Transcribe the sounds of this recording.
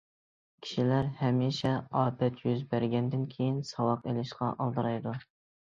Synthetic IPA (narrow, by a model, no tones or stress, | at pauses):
kʲʰi̥ʃilæɾhɛmiʃɛɑːpʰɛt̪ʰjyzbæɾɡʲɛnd̪ɪnkʲʰejinsɑwɑqelɪʃqɑ̰ʔɑlˠd̪ɨɾɑjd̪u